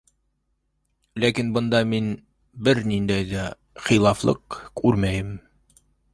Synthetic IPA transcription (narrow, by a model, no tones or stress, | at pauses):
lækinbɤ̆nd̪ɑmin | bɘɾnind̪æjðæ | χilˠɑflˠɤ̰q̚kʰʉɾmæjɘm